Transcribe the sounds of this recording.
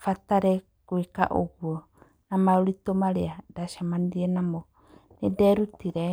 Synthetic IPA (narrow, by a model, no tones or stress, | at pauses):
fataɾɛ | kweka̰ʔo̰ɣwɔ | namaɾoɾitomaɾeadaʃamaniɾiɛnamɔ | nedɛɾutiɾɛ